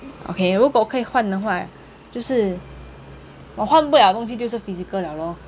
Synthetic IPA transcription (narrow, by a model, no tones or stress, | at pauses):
ʔo̰kʰeɪɻukwwɔkʰɤixwand̪əxwa̰ | t͡ɕjoʊʂɻ̩ | wɔxwanp̬uljd̪ət̪ŋɕ̬it͡ɕjʂɻ̩fit͡s̩kɤljɑʊlɔ